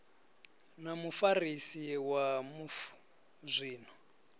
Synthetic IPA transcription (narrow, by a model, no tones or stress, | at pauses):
namufarisiwamuf | zʷiːn̤ɔ